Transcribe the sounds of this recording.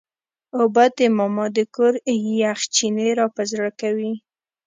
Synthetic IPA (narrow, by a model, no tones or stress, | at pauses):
obat̪emɑmɑd̪əkoɾjaxt͡ʃineɾɑpazɾakawi